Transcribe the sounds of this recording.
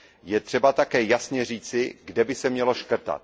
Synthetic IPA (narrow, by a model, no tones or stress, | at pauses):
jɛt̪r̥ɛbat̪akɛːjasɲɛr̝iːt͡sɪɡdɛbɪsɛmɲɛlo̞ʃkr̩t̪a̰t̪̚